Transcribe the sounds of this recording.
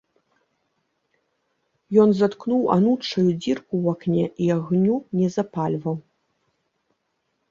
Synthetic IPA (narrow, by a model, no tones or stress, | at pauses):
jɔnzat̪knuwa̰nutt͡ʂɐjud͡zʲirkuwaknʲɛʔiaɣnʲunʲɛzapalʲvɐw